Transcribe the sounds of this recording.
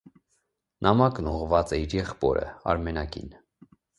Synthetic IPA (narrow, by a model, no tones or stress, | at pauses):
nʔɑmɑknuʁvɑt͡sɛiɾjɛχpɔ̰ɾə̰ɑ̰ɾmɛnɑkḭn